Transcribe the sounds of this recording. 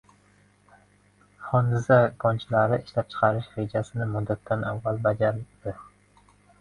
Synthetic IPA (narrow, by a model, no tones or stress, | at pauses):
χɒnd̪ɪzaɡʰɒnt͡ʃʰɪlaɾɪɪʃlap̚t͡ʃʰɨ̥qʰɑɾɪʃɾe̞d͡ʒasɪnɪmʊd̪ːat̪ʰːanavːalbad͡ʒaɾɪd̪̥ɪ